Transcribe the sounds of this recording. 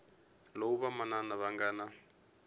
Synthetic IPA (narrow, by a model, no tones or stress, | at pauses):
lowuβamananaβaŋɡaːna